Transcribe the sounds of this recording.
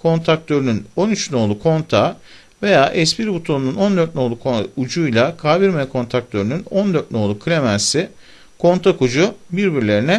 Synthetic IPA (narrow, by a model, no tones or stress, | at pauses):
kʰo̞nt̪ʰak̚t̪ʰø̞ɾynyno̞nyt͡ʃno̞ːlˠukʰo̞nt̪ʰa | ve̞jaːʔɛspiɾbut̪ʰonununo̞nd̪øɾt̪̚no̞ːlˠukʰud͡ʒujlˠakʰaːbiɾmekʰo̞nt̪ʰɾak̚t̪ʰø̞ɾynyno̞nd̪øɾt̪̚no̞ːlˠukʰɯlʲemænsi | kʰo̞nt̪ʰakud͡ʒubiɾbiɾlʲe̞ɾinɛ